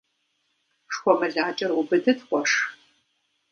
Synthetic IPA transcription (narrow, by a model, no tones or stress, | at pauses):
ʂxʷɔmɨɮaːt͡ʃʼɐrʊbɨdʰɨtχʷɔʂ